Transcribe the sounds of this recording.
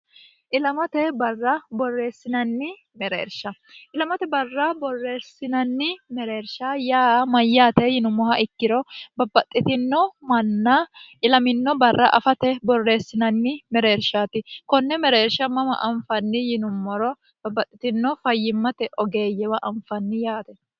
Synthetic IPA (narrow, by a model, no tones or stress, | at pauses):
ʔɪlɐmɐt̪ɛbɐrːɐbɔrːe̞ːsːɪnɐnːɪ | mɛɾḛːɾʃɐ | ʔɪlɐmɐt̪ɛbɐrːɐbɔrːeːsːɪnɐnːɪmɛɾe̞ːɾʃajaːmɐjːaːt̪ɛjɪnʊmːɔhɐʔɪkːɪɾɔbɐbːɐt̪ʼːɪt̪ɪnːɔmɐnːɐʔɪlɐmɪnːɔbɐrːɐ̰ʔɐ̰fɐt̪ɛbɔrːe̞ːsːɪnɐnːɪmɛɾeːɾʃat̪ɪkɔnːɛmɛɾeːɾʃɐmɐmɐ̰ʔɐɱfɐnːɪjɪnʊmːɔɾɔ | b̥ɐbːɐt̪ʼːɪt̪ɪnːɔfɐjːɪmːɐt̪ɛʔɔɡe̞ːjːɛwɐʔɐɱfɐnːɪjaːt̪ɛ